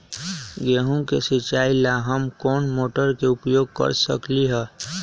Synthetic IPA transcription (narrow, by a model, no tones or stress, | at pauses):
ɡeɦũkesit͡ʃaːilaɦəmkoːnmoːʈəɾkeʊpjoːɡ̚kə̰ɾsə̰kliɦɛː